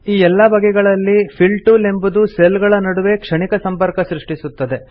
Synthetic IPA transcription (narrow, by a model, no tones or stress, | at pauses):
iːɛlːɐbʱɐɡɛɡɐɭɐlːipʰilʈule̞mbud̪uselɡɐɭɐnɐɽuʋe̞kʂɐɳikɐsɐmpɐɾkɐsɾiʂʈisut̪ːɐd̪e̞